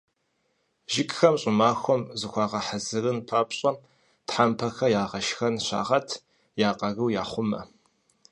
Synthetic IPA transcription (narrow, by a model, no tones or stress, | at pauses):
ʒɪkʼxɐmɕʼʊmaːxʷɔmzɨxʷɑːʁɐħazɨrɨnpʰaːpɕʼɐ | tħampʰɐxɐjaːʁɐʃxɐnɕa̰ːʁɐtʰ | jaːqʼɐɣɨwjaːχʷʊmɐ̰